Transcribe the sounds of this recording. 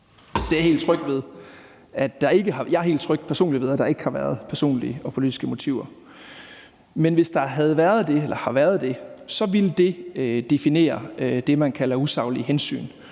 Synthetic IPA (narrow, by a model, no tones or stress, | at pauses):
d̥e̝æɐhe̝̰ːl̥t͡sʰʁœɡ̥̚d̥ʋe̝ð̞ˠ | ædd̥ɑ̈e̝ɡ̥əɦɑ̈jɑæɐɦe̝̰ld̥t͡sʰʁœɡ̥d̥̚pʰæɐso̝̰ːnli̥ʋe̝ðˠæd̥ɑ̈e̝ɡ̥hɑ̈ʋæɐð̞̩ˠpʰæɐso̝̰ːnliəɒ̽pʰo̝lid̥isɡ̥əmo̝t͡sʰiʊɐ | menʋe̝sd̥ɑ̈ɦæð̞̩ˠʋæɐð̞̩ˠd̥e̝elʔɐhɑ̈ʋæɐð̞ˠd̥e̝sɒ̽ʋild̥e̝d̥e̝fine̝̰ːɐd̥e̝mænkʰælɐusɑ̈ʊliɦensy̰ːn